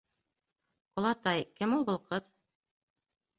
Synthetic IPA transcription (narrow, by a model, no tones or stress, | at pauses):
ŏlˠɑt̪ɑjkɘmulˠbɤ̆lˠqɤð